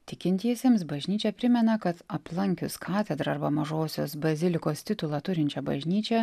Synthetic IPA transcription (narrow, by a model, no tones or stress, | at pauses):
t̪ʲɪkʲɪnʲt̪ʲiɛsʲeːmsbɐʒʲnʲiːt͡ʃʲɛpʲɾʲɪmʲɛnɐkɐt̪ɐplˠɐŋʲkʲʊskʰɑːt̪ʲɛd̪ɾɐɐɾbɐmɐʒoːsʲo̰ːsbɐzʲɪlʲɪkoːst̪ʲɪt̪ʊlˠɑːt̪ʊɾʲɪnʲt͡ʃʲɛbɐ̰ʒʲnʲiːt͡ʃʲɛ